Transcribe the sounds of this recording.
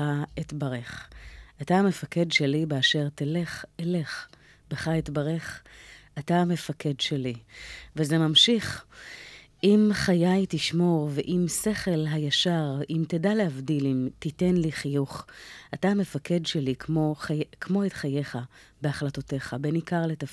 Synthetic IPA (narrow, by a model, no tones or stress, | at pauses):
aitbaʁeχataame̞fake̞dʃelibeaʃe̞ʁtele̞χele̞χ | beχaitbaʁe̞χatame̞fake̞dʃelivezemamʃiχ | ʔimχajajtiʃmo̞ʁveʔimse̞χe̞lɦajaʃaʁʔimtedalehavdilimtite̞nliχijuχatame̞fakʰe̞dʃelikmo̞kʰmo̞etχaje̞χabeaχlatote̞χabenikaʁle̞taf